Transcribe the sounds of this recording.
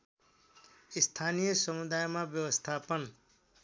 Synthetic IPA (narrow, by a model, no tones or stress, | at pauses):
ist̪ʰanijʌsʌmud̪ajmabjʌwʌst̪ʰapʌn